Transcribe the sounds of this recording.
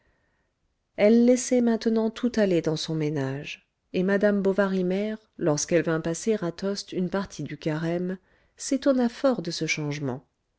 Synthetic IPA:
ɛlːɛsɛmɛ̃t̪ənɑ̃t̪ʰut̪aled̪ɑ̃sɔ̃menaʒ | emad̪ambɔvaʁimɛʁlɔʁskɛlvɛ̃paseʁat̪ɔst̪ynpaʁt̪ʰid̪ykaʁɛm | set̪ɔnafɔʁd̪əsəʃɑ̃ʒmɑ̰̃

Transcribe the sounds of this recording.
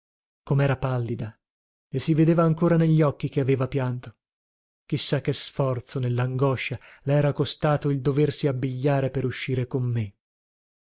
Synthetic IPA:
komɛːɾapalːid̪a | esived̪eːvaːŋkoːɾaneʎːɔkːik̟eaveːvapjant̪o̥ | k̟isːakːesfɔrt̪sonelːaŋɡɔʃːalɛːɾakost̪aːt̪oild̪oversiabːiʎːaːɾepeɾuʃːiːɾekomːe

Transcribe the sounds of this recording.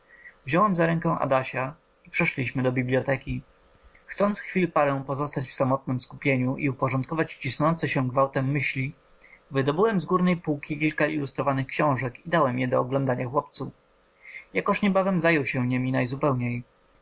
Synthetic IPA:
vʑɔwɛmzaɾɛŋkɛ̃ʔa̰d̪aɕa | ipʂɛʂlʲiɕmɘd̪ɔbʲiblʲjɔt̪ɛkʲi | xt̪sɔnt̪sxfʲilpaɾɛw̃pɔzɔst̪at͡ɕfsamɔt̪̚nɘmskupʲjeɲuʔiupɔʐɔnt̪kɔvat͡ɕt͡ɕisnɔnt̪sɛɕɛɡvawt̪ɛmːɘɕlʲi | vɘd̪ɔbɘwɛmzɡuɾnɛjpuwkʲikʲilkailust̪ɾɔvanɘxkɕɔ̃w̃ʐɛkid̪awɛmjɛd̪ɔɔɡlɔ̃nd̪aɲaxwɔp̚t̪su | jakɔʂɲɛbavɛmzajɔwɕɛ̃ɲɛmʲinajzupɛwɲej

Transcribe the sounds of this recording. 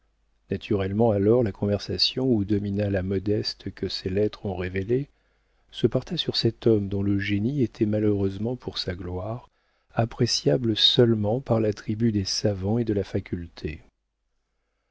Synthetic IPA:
nat̪ʰyʁɛlmɑ̃alɔʁlakʰɔ̃vɛʁsasjɔ̃ud̪ɔminalamɔd̪ɛst̪kʰəselɛt̪χɔ̃ʁevele | səpɔʁt̪ʰɛsyʁsɛt̪ɔmd̪ɔ̃ləʒeniet̪ʰɛmaløʁøzmɑ̃pʰuʁsaɡlwaːʁ | apχesjabləsœlmɑ̃paʁlat̪χibyd̪esavɑ̃ed̪əlafakʲʰylt̪ʰe

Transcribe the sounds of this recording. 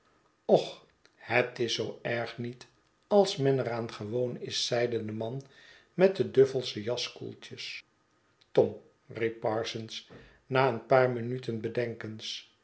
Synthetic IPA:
ɔχ | hətɪsowɛɹχnit | ɑlˠsmɛnəɾaːnχəʋownɪsːɛjdəndəmɑn | mɛt̚dədøfəlˠsəjɑskṵlˠtəs | tɔm | ripːɑːɹsəns | naːənpaːɹminytənbədɛŋkəns

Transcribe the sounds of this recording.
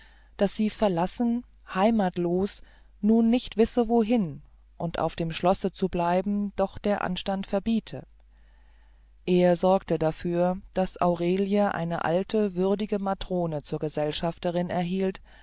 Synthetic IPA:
d̥asz̥iːfɛɐlasn̩ | haɪmaːtloːs | nuːnːɪçtv̥ɪsəvoːɦɪn | ʔʊntʔa̰ʊfd̥eːmʃlɔsət͡sublaɪbm̩d̥ɔχd̥eːɐʔa̰nʃtantfɛɐbiːtʰə̰ | ʔeːɐzɔɐktədafyːɐd̥asʔa̰ʊʁeːljəʔa̰ɪnə̰ʔa̰ltʰəvʏɐdɪɡəmatʁ̥oːnət͡suːɐɡəzɛlʃaftəʁɪnɛɐɦiːlt

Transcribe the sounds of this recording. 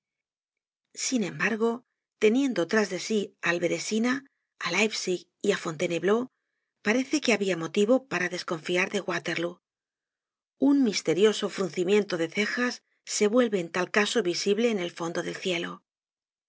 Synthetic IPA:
sinẽ̞mbaɾɣ̞o̞ | t̪e̞nje̞nd̪o̞t̪ɾazðe̞sialβe̞ɾesina | alajfsik | iafo̞nt̪e̞ne̞βlo̞ | paɾe̞θe̞ke̞aβiamo̞t̪iβ̞o̞paɾaðe̞sko̞ɱfiaɾðe̞ɣwat̪e̞ɾlu | unmist̪e̞ɾjo̞so̞fɾun̟θimje̞nt̪o̞ðe̞θe̞xasː | e̞βwe̞lβe̞ːnt̪alkaso̞βisiβle̞ːne̞lfo̞nd̪o̞ðe̞lθje̞lo̞

